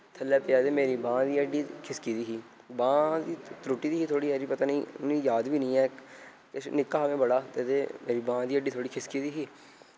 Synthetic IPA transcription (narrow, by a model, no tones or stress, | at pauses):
t̪ʰəlɛːpɪjaːd̪eːmeːɾiːbãːd̪iːəɖiːkʰɪskiːd̪iːɦiː | bãːd̪iːt̪ɾoːʈːiːd̪iːɦiːt̪ʰoːɽiːɛːd͡ʒiːpət̪aːnĩːniːjaːd̪biːnəĩːɛː | kɪnɪkːaːəʋẽːbəɽaːt̪ed̪eːmeːɾiːbãːd̪iːəɖiːt̪ʰoːɽiːkʰɪskiːd̪iːɦiː